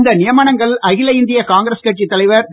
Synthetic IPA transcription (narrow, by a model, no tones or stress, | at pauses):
nd̪ɐnɪjɐmɐːɳɐŋɡɐɭɐɣɪlɐɪnd̪ɪjɐkaːŋɡɾɐskɐʈ̚t͡ʃːit̪ːɐlɐɪʋɐɾ